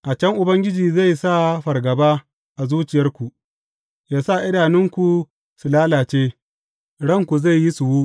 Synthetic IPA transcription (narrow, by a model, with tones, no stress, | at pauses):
ʔa˨t͡ʃɐ˦ŋʔʊ˨bɐ˦ŋɡʲɪ˦d͡ʒiː˨za˦˨jsa˦˨ɸɐ˨rɡɐ˨baː˦ | ʔa˨zuː˦t͡ʃɪ˨jɐ˦rkʷu˨ | jaː˦sa˦˨ʔɪ˦daː˨nɪ˦ŋkʷu˨ | su˨laː˦laː˨t͡ʃeː˦ | ɽɐ˦˨ŋkʷu˨za˦˨jːi˦su˨wu˦